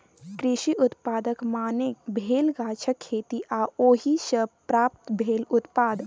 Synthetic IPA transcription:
kɾɪʃiʔʊt̪paːd̪əkmaːnebʱeːlɡaːt͡ʃʰəkʰːeːt̪iʔaːoːɦiʃəpɾaːp̚t̪bʱeːlʊt̪paːd̪

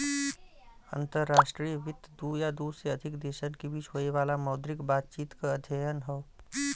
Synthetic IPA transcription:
ə̰̃nt̪əɾːaːʃʈɾijəʋɪt̪d̪uːjad̪uːsɾeɐd̪ʱɪkd̪eːʃənkibʱiːt͡ʃɦoːiʋaːlamɐʊd̪ɾɪkbaːt̪̚t͡ʃiːt̪kaɐd̪ʱjəjənɦɛ

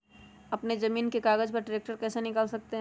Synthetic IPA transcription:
ɐpnezɐmiːnkekaːɡəd͡ʒpɐɾʈɾeːk̚ʈəɾkɛːsenɪkaːlsɐk̚t̪eɦ

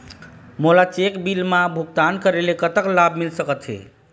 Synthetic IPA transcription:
molat͡ʃekbilmãbʱuɡ̚t̪ankəɾelekət̪əklabmilsəkət̪ɦḛ

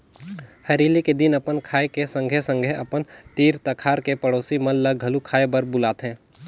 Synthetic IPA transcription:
hɐɾiːliked̪ɪnɐpənkʰaːekesɐ̃ŋɡʱɛsə̃ŋɡʱɛʔɐpənt̪iːɾt̪ɐkʰaːɾkepɐɽoːsimɐ̃lləɡʱɐlukʰaːebɐɾbʊlaːt̪ɦɛ̃ː

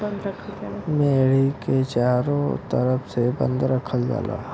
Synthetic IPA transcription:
meːɽiket͡ʃaːɾõt̪əɾəpʰsebə̰̃nd̪ɾəkʰəld͡ʒa̰ːla̰ː

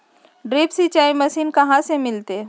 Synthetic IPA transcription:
ɖɾeːpsit͡ʃaːimɐsiːnkɐɦãsemɪlt̪e

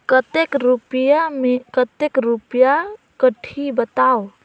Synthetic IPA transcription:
kət̪ekɾupjamekət̪ekɾupja | kəʈʰibət̪ao

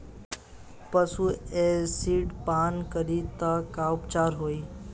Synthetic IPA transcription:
pəsuesiːɖpaːnkəɾit̪akaupt͡ʃaːɾɦoːiː

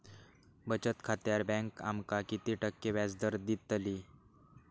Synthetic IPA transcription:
bət͡ɕət̪kʰat̪jaɾbɛ̃ŋka̰mkakit̪iʈəkːeʋjad͡zd̪əɾd̪it̪ːəli

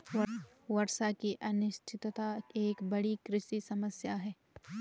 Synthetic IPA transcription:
wɐɾʃakiʔɐnɪʃʈʰɪt̪t̪aeːkbɐɽikɾɪʃisɐməsjaɦɛː

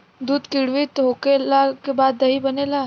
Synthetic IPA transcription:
d̪uːd̪kɪɽʋit̪ɦoːkelakebaːd̪ːɐɦibɐnelaː

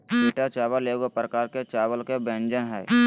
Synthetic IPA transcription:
beːʈat͡ʃaːʋəleːɡopɾəkaːɾket͡ʃaːʋəlkebẽnd͡ʒənɦɛː

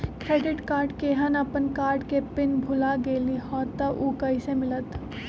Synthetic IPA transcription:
kɾeːɖɪʈkaːɾɖkeɦənəpənkaːɾɖkepɪnbʱʊlaɡeːlihɔːt̪əʔukɐisemɪlət̪

